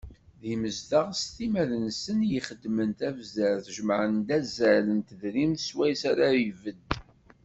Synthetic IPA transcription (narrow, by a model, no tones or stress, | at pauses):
ðiməzd̪aʁst̪imæðənsənjəχəd̪ːmənt̪ævzæɾθʒəmʕənd̪æzælənt̪əðɾimθswæjsaɾaivəd̪